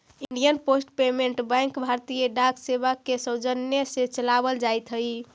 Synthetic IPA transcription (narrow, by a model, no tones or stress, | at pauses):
iɳɖijənposʈpemeɳʈbə̃ŋkbʱaɾt̪ijəɖakʰsebakesəwd͡ʒənjesẽt͡ʃəlabəld͡ʒajt̪ɦəi